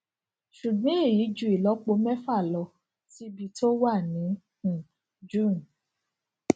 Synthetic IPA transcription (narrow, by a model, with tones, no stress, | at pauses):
ʃu˨ɡ͡bã˨˦e˦˨ji˨˦d͡ʒu˦˨i˨lɔ˨˦k͡po˧mɛ˦fa˦˨lɔ˧˦ | ti˧bi˧to˦wa˦˨nĩ˨˦ | hũ˨ | d͡ʒũ˦˨n